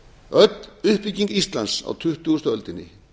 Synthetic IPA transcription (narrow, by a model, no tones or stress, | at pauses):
œt̪nʏhpiciŋkist̪lansa̰wt̪ʰʏht̪uust̪œlt̪ɪnːɪ̰